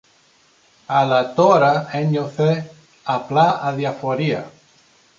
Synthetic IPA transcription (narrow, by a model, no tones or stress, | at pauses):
alat̪oɾaeɲoθe | aplaaðjafoɾia̰